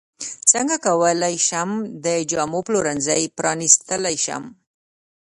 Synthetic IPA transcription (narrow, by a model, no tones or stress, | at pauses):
t͡səŋɡakawəlajʃamd̪əd͡ʒɑmoploɾanzajpɾɑnist̪əlajʃa̰m